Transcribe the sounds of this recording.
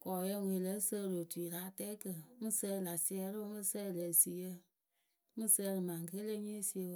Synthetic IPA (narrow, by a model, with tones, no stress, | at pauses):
kɔ˨jə˧˨wʷe˨lə˨˦sə˦˧lo˨tu˨i˨laː˨˦tɛ˦kə˨mɨ˦sə˧˦˨la˨si˧˦ɛ˧˦ɾo˦mɨ˦sə˦˨lə˨si˨jə˧ | mɨ˦sə˧˦˧lɨ˨mã˨ŋ˨kə˦le˦ɲe˦si˧ə˧˦